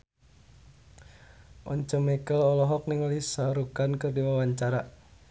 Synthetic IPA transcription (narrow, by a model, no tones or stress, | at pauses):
ʔɔɲt͡ʃɔmɛkəlɔlɔɦɔk̚niŋɔlisaɾukankɨrdiwawaɲt͡ʃaɾa